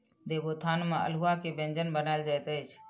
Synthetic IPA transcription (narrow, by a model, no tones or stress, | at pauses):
d̪ebot̪ʰanmeə̰lɦuakebẽnd͡ʒənbənaɪld͡ʒajt̪ət͡ʃʰ